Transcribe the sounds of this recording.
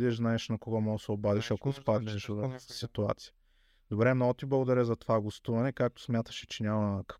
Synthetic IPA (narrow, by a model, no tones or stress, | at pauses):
d̪ɛʒznaɛʃnɐkoɡɔmɔɡəsɛobad̪iʃɐkospad̪nɛʃvɐsit̪ua̰t̪sijə̥ | d̪̥obɾɛmnɔɡʊt̪iblˠɐɡʊd̪ɐɾʲɛzɐt̪ovaɡost̪uvɐnɛkak̚t̪o̥smʲjat̪ə̥ʃɛ̥t͡ʃɛnʲamɐk